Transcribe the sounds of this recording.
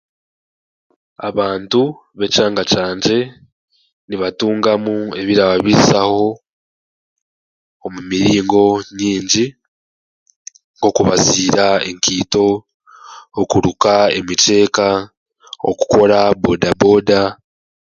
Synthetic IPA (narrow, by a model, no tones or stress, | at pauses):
a̰βaːntu | βe̞caːŋɡat͡ʃaːɲɟe̞ | niβatuːŋɡamue̞βiɾaβaβisaho̞ | mumiɾiːŋɡo̞ɲiːɲɟi | ŋɡo̞kuβaziːɾae̞̰ŋkiːto̞ː | kuɾukae̞̰mite̞ːka | o̰ku̥ko̞ɾabo̞dabo̞da